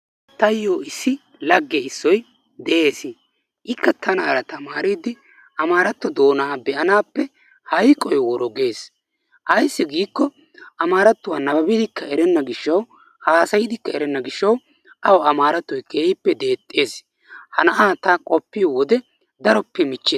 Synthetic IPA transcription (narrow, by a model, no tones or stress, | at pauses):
t̪ɐjːoːɪsːɪ | lɐɡːɛɪsːɔj | d̪ɛʔe̞ːsɪ | ʔɪkːɐt̪ʰɐnɐːɾɐt̪ɐmaːɾid̪ɪ | ɐmaːɾɐt̪ːɔd̪o̞ːnaːbɛʔɐnaːpːɛ | hɐjkʼːɔjwɔɾɔɡe̞ːs | ʔɐjsːɪɡiːkːɔ | ʔɐmaːɾɐt̪ːʊwanɐɐbɪd̪ɪkːɐɛɾɛnːɐɡɪʃːɐw | haːsɐjɪd̪ɪkːɐɛɾɛnːɐɡɪʃːɐw | ʔɐwɔɐmaːɾɐt̪ːɔjkeːɪpːɛd̪e̞ːt̪ʼːe̞ːs | hɐnɐʔaːt̪ɐkʼɔpːiwɔd̪ɛ | d̪ɐɾɔpːɛmɪt͡ʃːe